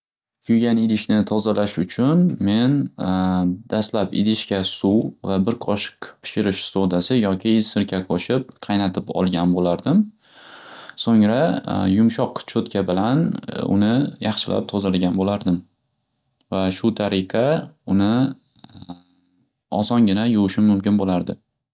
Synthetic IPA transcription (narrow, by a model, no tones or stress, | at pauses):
kʲʰʊjɡʲanɪlɪʃnɪt̪ʰɒzalaʃʊt͡ʃʰʊnme̞n | d̪̥ast̪lapɪ̰d̪ɪʃkʲasuwvabɪɾqʰɒʃɪ̥qpʰɪ̥ʃɪɾɪʃsod̪asɪjɒkʲʰɪsɪɾkʲʰakʰoʃɪp̚qʰɑjnat̪ʰɪpɒ̰lˠɡʲanbolaɾd̪ɪm | soŋɾajʊmʃɒqt͡ʃʰot̪kʰʲabɪlanʊ̰nɪjɑχʃɪlʔa̰p̚t̪ʰozalɡʲanbolaɾd̪ɪm | vaʃʊt̪ʰaɾɪqʰɑʊnɪ | ɒ̰sɒŋɡʲɪnajʊwʃɪmːʊmkʲɪnbolaɾd̪ɪ